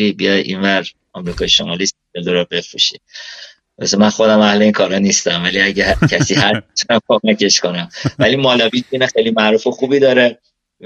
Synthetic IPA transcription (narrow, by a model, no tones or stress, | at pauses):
iːbijɒjḭːnvæɾ | ɒmɾiːkʰɒːjeʃomɒːlist̪ | eld̪oɾɔbe̞fɾṵʃibeæ̰semænxo̞d̪æmæhle̞iːŋkʰɒːɾɒnist̪æmvæliæɟecʰæsiːhæit̪ʰunæmkʰomæce̞ʃko̞næmvæliːmɒːlɒbiːtiːnexejlimæʔɾuːfexuːbiːd̪ɒːɾe